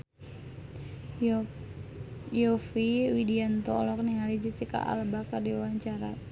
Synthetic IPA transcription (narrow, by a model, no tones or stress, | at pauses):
jɔfiwidiant̪ɔlɔk̚niŋalid͡ʒisika̰ʔa̰lbakardiwaɲt͡ʃaɾa̰